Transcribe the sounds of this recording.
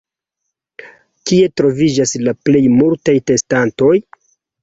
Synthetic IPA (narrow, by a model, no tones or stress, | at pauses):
kie̞tɾo̞vid͡ʒaslaple̞jmultajte̞stanto̞j